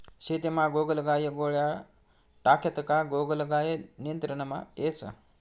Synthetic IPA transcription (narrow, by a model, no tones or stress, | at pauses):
ɕet̪imaɡoɡəlɡajəɡoɭja | ʈaket̪əkaɡoɡəlɡajeniənt̪ɾənəma̰et͡sə̰